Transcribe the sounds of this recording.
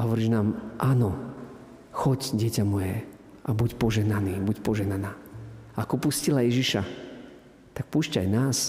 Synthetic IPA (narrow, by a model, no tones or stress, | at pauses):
aɦɔʋɔɾiːʒnaːmʔaːnɔ | xɔcɟɪɛcamɔjɛ | ʔabucpɔʒɛɦnaniːbucpɔʒɛɦnanaːaakɔpuscilajɛʒiʃa | t̪ak̚puʃcajnaːs